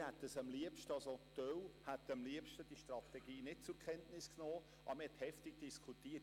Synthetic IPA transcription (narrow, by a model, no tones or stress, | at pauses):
hɛt̪ːəsɑmliəpʃtəɑlsotœwhæt̪əmliəpʃtəd̥iʃtɾɑt̪ɛɡiːnɪt̚t͡sʊɾkʰɛntnɪsknɔː | ʔɑ̰bɾmhɛthɛftɪɡ̥d̥iskʰutiːət